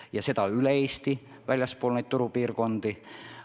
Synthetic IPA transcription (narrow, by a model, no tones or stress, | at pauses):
jɑse̞d̪̥ɑylee̞ːst̪i | vælʲjɑspoːlnejdt̪̚t̪uɾupiːrko̞nd̪̥i